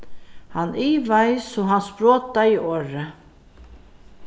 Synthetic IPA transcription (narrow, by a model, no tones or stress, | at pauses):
hanːʔiːvajsɔɦanspɾɔːt̪aiʔɔːɾɪ